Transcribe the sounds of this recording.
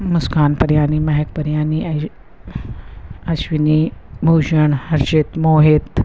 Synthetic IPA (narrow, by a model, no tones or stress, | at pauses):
muskʰaːnpɐɾjaːnimaɦek̚pɐɾjaːni | ɐɕʋinibʱuːd͡ʒəɳhɐɾɕet̪moːɦet̪